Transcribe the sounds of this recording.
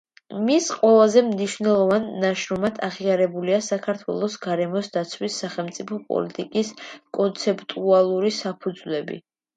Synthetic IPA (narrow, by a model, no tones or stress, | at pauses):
misqʼwɛlˠazɛmniʃvnɛlˠɔvanːaʃɾɔmad̪ʰaʁiaɾɛbuliasakʰaɾt̪ʰwɛ̰lˠɔsɡaɾɛmɔsd̪at̪sʰwisːaχɛlˠmt̪sʼipʰɔpʼɔ̰lit̪ʼikʼiskʼɔnt̪sʰɛpʼt̪ʼualˠuɾisapʰud̪zwlɛbḭ